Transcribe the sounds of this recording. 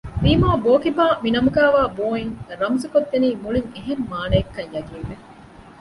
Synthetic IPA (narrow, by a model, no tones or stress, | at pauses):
biːmaːboːkibaːminɐmuɡæːʋaːboːiŋɾɐmzukod̪ːeniːmuɭiŋeɦemːaːnɐekːɐɲjɐɡiːʋːe